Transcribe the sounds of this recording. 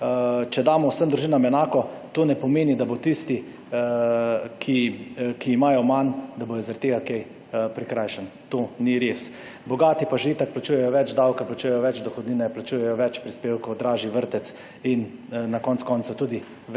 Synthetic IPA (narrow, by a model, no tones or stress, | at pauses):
t͡ʃɛd̪aːmɔwsəmd̪ɾuʒiːnamɛnaːkɔ | t̪oːnɛpɔmeːnid̪abot̪ist̪i | kʰikiːmaːjɔmand̪abojɔzaɾat̪t̪eːɡakɛj | pɾikɾajʃənt̪oːniɾes | bɔɡaːt̪ipaʒʋiːt̪ak̚plat͡ʃuːjɛjɔʋɛd͡ʒd̪awkaplat͡ʃuːjɛjɔʋɛt͡ʃd̪ɔxɔd̪niːnɛplat͡ʃuːjɛjɔʋɛt͡ʃpɾispeːwkɔwd̪ɾaːʒiʋəɾt̪ɛt̪s | innakɔːnt̪kɔːnsut̪uːd̪i | ʋ